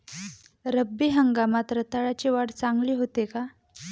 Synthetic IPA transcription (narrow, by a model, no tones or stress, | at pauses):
ɾəbːiːɦəŋɡamat̪ɾət̪aɭat͡ɕiːʋaɽt͡saŋɡliːɦot̪eka